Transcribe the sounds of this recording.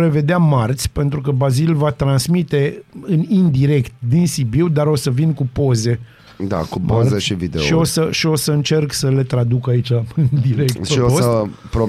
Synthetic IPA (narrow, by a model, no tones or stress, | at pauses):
ɾe̞ve̞d̪eamart̪sʲpe̞nt̪ɾukəbazilvat̪ɾansmit̪e̞ɨnind̪iɾe̞kt̪̚d̪insibiwd̪aɾo̞səvinkupo̞ze̞ | d̪a̰kumoazeʃivid̪eʃio̞səʃio̞səɨnt͡ʃe̞rksəle̞t̪ɾad̪ukait͡ʃaɨnd̪iɾe̞k̚tʃioosəpɾo